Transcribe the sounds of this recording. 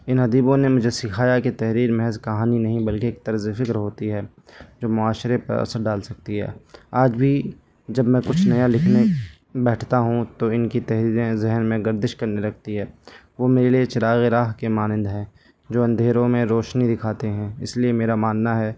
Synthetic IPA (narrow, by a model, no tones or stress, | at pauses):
ɪnɦɐd̪iːbõnemʊd͡ʒʱesɪkʰaːjaket̪ɛɦɾiːɾmɛɦɛzkɐɦaːninɐɦĩbɐlkeeːk̚t̪ɐɾzefɪkɾɦoːt̪iɦɛː | d͡ʒoːmʊaːʃɾepɐ̰ɾɐ̰səɾɖaːlsɐk̚t̪iɦɛ̰ːaːd͡ʒbʱi | d͡ʒɐbmɛ̃kʊt͡ʃʰnɐjalɪkʰne | bɛːʈʰt̪aɦũt̪oɪnkit̪ɛɦɾiːɾẽzɪɦənmẽɡɐɾd̪ɪʃkɐɾnelɐk̚ʰt̪iɦɛː | ʋoːmeːɾeliet͡ʃɪɾaːɣeɾaːɦkemaːnɪ̃nd̪ɦɛ̃ː | d͡ʒoːɐ̃nd̪ʱeːɾõmẽɾoːʃnid̪ɪkʰaːt̪eɦɛ̃ːɪ̰sliemeːɾamaːnːaɦɛː